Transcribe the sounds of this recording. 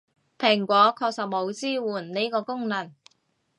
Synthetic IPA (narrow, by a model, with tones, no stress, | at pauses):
pʰɪ˨˩ŋkʷɔː˨˥kʰɔː˧k̚sɐ˨p̚mo˨˧wt͡siː˥˩wuː˨˩nniː˥kɔː˧kʊ˥ŋnɐ˨˩n